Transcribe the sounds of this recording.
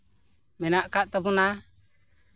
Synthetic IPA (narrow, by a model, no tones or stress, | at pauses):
mɛnaʔkaʔt̪ɔbɔna